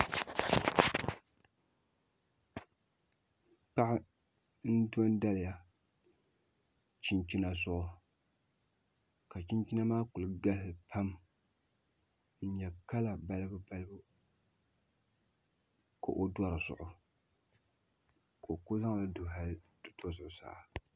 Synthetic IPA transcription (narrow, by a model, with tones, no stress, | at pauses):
pa˦ʔɪ˦ | n̩˦dɔ˦nda˦lɪ˨ja˨ | t͡ʃi˦nt͡ʃi˦na˨sʊ˦ʔʊ˦ | ka˨t͡ʃi˦nt͡ʃi˦na˦maː˦ku˨lɨ˨ɡa˦lɨ˨pʰa˦m | n̩˦ɲɛ˨ka˦la˨ba˦lɨ˦bɨ˦ba˦lɨ˦bɨ˦ | ko̰˨ʔo˦dwa˦ɾɨ˨zʊ̰˨ʔʊ˦ | ko˨kʊ˦za˦ŋ˨la˦dʊ˨ɦa˦ldɨ˦tʰo˦zʊ˨ʔʊ˨sa̰ː˨˦˨